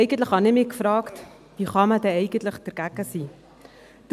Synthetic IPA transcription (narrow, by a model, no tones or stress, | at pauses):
ɛjɡ̥əntləχhɑnɪmikfrɑːkt | viːχɑmədɛɛɪɡəntləχdərɡ̥æɡəsi | d̥